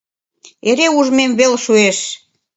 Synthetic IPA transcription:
eɾeuʒmemβelʃueʃ

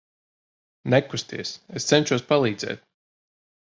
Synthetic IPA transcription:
nɛkust̪iɛsest̪sɛnt͡ʃuɔspalˠiːd̪zɛ̰ːt̪̚

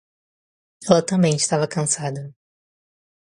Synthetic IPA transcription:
ɛlɐt̪ɐ̃bẽj̃ɪst̪avɐkɐ̃sad̪ɐ

